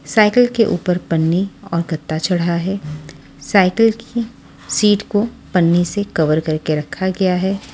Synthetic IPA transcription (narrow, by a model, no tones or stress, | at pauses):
saːɪkəlkeʔuːpəɾpɐnːiɔːɾɡɐt̪ːat͡ʃɐɽ̤aɦɛː | saːɪkəlki | siːʈko | pɐnːisekɐʋəɾkɐɾkeɾɐkʰːaɡɐjaɦɛː